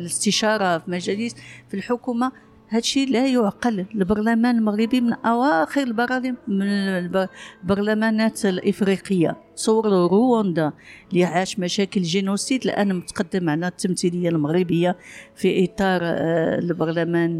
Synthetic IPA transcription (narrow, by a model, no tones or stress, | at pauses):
ləst̪əʃɑɾˤɑfilmæʒælisfilħʊkuma | hæd̪ʃilæjʊʕqəllbɑɾˤlæmænəlməɣɾibimənʔæwæxəɾəlbɑɾˤɑlimə | bɑɾˤlæmænæt̪lʔəfɾiqəjːa̰ | sˤʊwɾɾowɑnd̪ɑlijʕaʃmæʃækəlʒinusid̪lʔæ̰nːmət̪qɑd̪ːəmʕlæt̪ːəmt̪iləjːalməɣɾibəjːafiʔit̪ˤɑɾˤlbɑɾˤlæmæn